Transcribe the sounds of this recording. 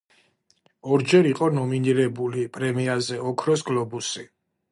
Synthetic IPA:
ɔɾd͡ʒɛɾiqʼɔnɔminiɾɛbulipʼɾɛmiazɛɔkʰɾɔsɡlˠɔbusi

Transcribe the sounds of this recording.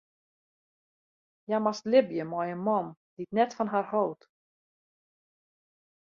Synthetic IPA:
jamastlɪbjəmɔjənmɔmditnɛtfɔnɦarhowt

